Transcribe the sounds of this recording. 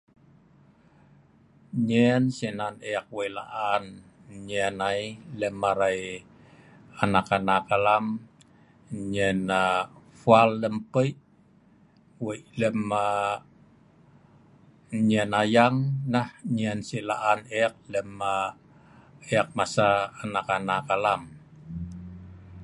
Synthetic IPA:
ɲɛnsinaneak̚wəila̰ʔan | ɲɛnailəmːaɾaj | anakanakalam | ɲɛna | falːəmpəi | wəiləma | ɲɛnajaŋnahɲɛnsila̰ʔaneak̚ləma | eak̚masaːnakanakalam

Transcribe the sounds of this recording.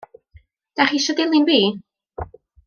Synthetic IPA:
d̥aχiʃɔdɪlˠɪnbiː

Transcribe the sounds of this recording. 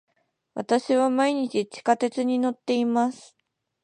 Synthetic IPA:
βa̰t̪aɕiβamaiɲ̟it͡ɕit͡ɕi̥kat̪e̞t͡sɨɲ̟ino̞t̪ːe̞imasɨ̥

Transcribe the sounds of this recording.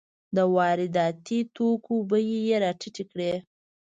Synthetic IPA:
d̪əwɑɾɪd̪ɑt̪it̪okobəjijeɾɑʈiʈikɽe

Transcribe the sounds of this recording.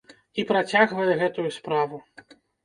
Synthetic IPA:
ipɾat͡sʲaɣvɐjɛɣɛt̪ujuspɾavu

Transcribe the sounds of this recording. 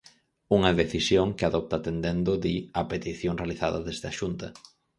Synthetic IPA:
uŋɐðeθisjoŋkɪaðɔp̚t̪aːt̪end̪end̪oðiɐpet̪iθjoŋrealiθaðɐðezðɪɐʃunt̪ɐ

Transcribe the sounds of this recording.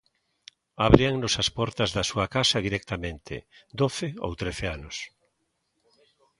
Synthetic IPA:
aβɾiaŋnosaspɔɾt̪ɐzðɐsuakasɐðiɾɛk̚t̪amẽnt̪ɪ̰d̪oθɪo̰wt̪ɾeθeanʊs

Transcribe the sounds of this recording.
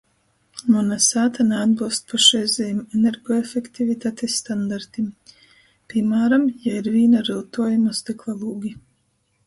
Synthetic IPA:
nunasaːt̪anɛad̪̚bɨlˠst̪̚pʰaʃɛjzɛjimɛnɛɾɡɔefɛkt̪ivit̪aːt̪esːt̪and̪aɾt̪im | pimaːɾamjaiɾviːnaɾɨlˠt̪uɔjumast̪iklˠalˠuːɡʲi

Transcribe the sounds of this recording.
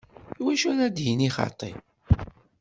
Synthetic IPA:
iwæʃunæd̪jiniχɑ̰t̪ˤːḭ

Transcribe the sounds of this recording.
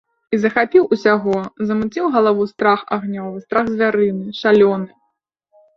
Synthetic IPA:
izɐxapʲiwusʲaɣɔzɐmut͡sʲiwɣɐlˠavust̪ɾaxa̰ɣnʲɔvɨst̪ɾaɣzʲvʲaɾɨnɨʂalʲɔnɨ

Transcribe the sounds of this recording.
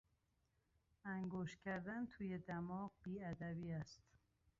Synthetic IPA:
æŋɡoːʃt̪kʲʰæɾd̪ænt̪ʰuːjed̪æmɒːqbiːæd̪æbiːæst̪

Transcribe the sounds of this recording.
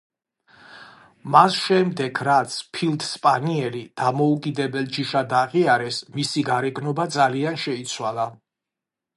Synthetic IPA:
masʃɛmd̪ɛɡʰɾat̪sʰpʰilˠd̪ʰspʼaniɛlid̪̥amɔukʼid̪ɛbɛlˠd͡ʒiʃad̪aʁiaɾɛsmisiɡaɾɛɡnɔbad̪zalianʃɛit̪sʰwalˠa

